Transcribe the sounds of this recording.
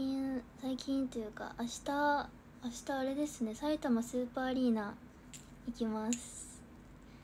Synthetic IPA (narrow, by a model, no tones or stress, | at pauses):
ĩsaikʲĩnt̪ojɯ̟ːka̰ʔaɕi̥t̪aː | ɕi̥t̪aːɾe̞d̪e̞sɨ̥ne̞sait̪amasɨːpaːɾʲiːnã | ikʲimasɨ̥